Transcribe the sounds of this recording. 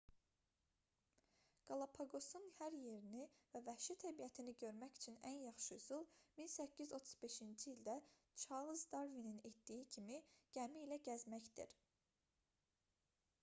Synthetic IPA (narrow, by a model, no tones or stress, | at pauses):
ɡ̥ɑlˠɑpʰɑɡo̞sunhæɾje̞ɾinivævæhʃit̪ʰæbijæt̪ʰiniɟø̞ɾmæçy̥t͡ʃʰynænjɑχʃɯyzulˠminsæcʰːizo̞t̪ʰu̥z̥be̞ʃind͡ʒiːld̪æ | t͡ʃʰɑlˠɯzd̪ɑɾvininet̪d̪ijicʰimiɟ̥æmiːlæɟæzmæçd̪ḭɾ